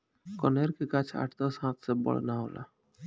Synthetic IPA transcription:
kɔneɾkikat͡ɕʰa̰ʈt̪osɦãt̪sebɔ̰ɭḛnaɦola̰

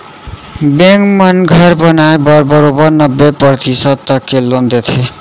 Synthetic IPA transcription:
bẽŋkmʌnɡʱʌɾbʌnaebʌɾbʌɾobʌɾnʌbːepɾʌt̪isʌd̪̚t̪ʌkːelond̪et̪ʰe

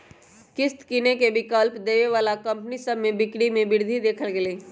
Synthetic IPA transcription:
kɪst̪kɪnekebɪkəlpd̪eːʋeʋaːlakɐ̃mpnisəbmẽbɪkɽimẽbɪɾd̪ʱid̪eːkʰəlɡeleː

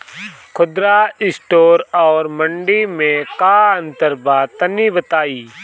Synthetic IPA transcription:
kʰʊd̪ɾaːɪsʈoːɾɔːɾməɳɖimẽkaːə̃nt̪əɾbaːt̪ənibət̪aːiː

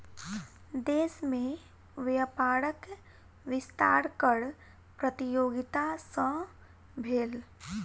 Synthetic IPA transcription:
d̪eːsmẽ | ʋjəpaːɾək | ʋɪst̪a̰ːɾkəɽ | pɾət̪ijoːɡɪt̪asə̃ | bʱeːl

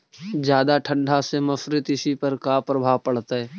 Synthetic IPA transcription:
d͡ʒjaːd̪aʈʰə̃ɳɖʱasemɐfɾɪt̪ɪsipɐɾkaːpɾəbʱaːʋpɐɽ̤t̪aɦɛː

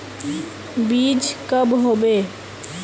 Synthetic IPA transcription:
bid͡ʒkəbɦobe

